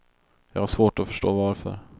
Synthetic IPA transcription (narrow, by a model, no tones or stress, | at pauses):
jɑ̰ːɡhaʂvoːʈɔfœʂʈoːvaɾfœ̰ɾ